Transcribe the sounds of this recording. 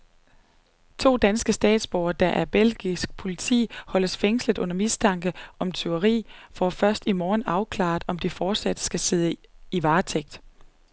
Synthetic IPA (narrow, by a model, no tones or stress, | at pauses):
t͡sʰo̝̰ːd̥ænsɡ̥əsd̥ɛ̰ːd̥sb̥ɒʊɐd̥ɑ̈ʔæɐb̥el̰ɡ̥isɡ̥̚pʰo̝lit͡sʰḭːhɒ̽ləsfeŋsləð̥ˠʔɔ̽nɐmisdʰɑ̈ŋ̰ɡ̥əʔɒ̽mt͡sʰøʊɐʁḭːfɒfɶɐsd̥imɒːnɑ̈ʊkʰlɑ̰̈ːð̩ˠɒ̽md̥ifɒːd̥sæd̥sɡ̥æse̝ð̞̰ˠəiʋɑ̈ːt͡sʰeɡ̥d̥